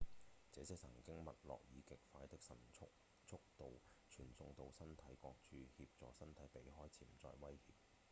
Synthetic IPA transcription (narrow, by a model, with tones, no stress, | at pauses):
t͡sɛː˨˥sɪ˥k̚sʰɐ˨˩ŋkɪ˥ŋmɐ˨t̚lɔ̰ː˨k̚jiː˨˧kɪ˨k̚faː˧˥jt̪ɪ˥k̚sɐ˨˩nʰʊ˥k | t͡sʰʊ˥k̚t̪o˨w | t͡ʃʰyː˨˩nsʊ˧ŋt̪o˧wsɐ˥nt̪ʰɐ˨˥jkɔː˧k̚t͡ʃʰyː˨˧hiː˧p̚t͡sɔː˨sɐ˥nt̪ʰɐ˨˥jpe˨˥jɦɔː˥jt͡sʰiː˨˩mt͡sɔ̰ː˧jwɐ˥jhiː˧p̚